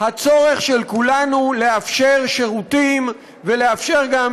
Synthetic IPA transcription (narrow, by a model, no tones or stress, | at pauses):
hat͡so̞ʁe̞χʃelkulanule̞afʃeʁʃe̞ʁutim | ve̞le̞afʃe̞ʁɡam